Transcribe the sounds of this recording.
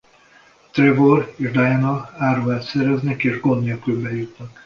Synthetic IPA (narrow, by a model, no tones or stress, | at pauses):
t̪revoreːʒd̪ajɛnɒaːɾuːɛːt̪sɛɾɛznɛkeːʒɡonːelkylbɛjut̪nɒk